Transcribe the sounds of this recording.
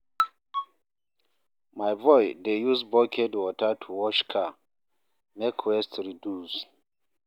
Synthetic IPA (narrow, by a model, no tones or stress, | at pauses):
majvɔjdejusbɔkʰɛdwɔtatʰuwɔʃkʰa | mɛkʰwɛstɹidus